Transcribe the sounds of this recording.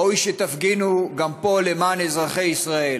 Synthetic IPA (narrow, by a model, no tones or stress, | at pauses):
ojʃet̪afɡinuɡampo̞le̞maːnezʁaχe̞jisʁae